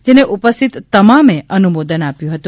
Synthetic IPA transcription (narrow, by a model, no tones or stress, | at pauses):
d͡ʒeneʔupəst̪ʰit̪ːəmameʔənumod̪ənapjũɦət̪ũ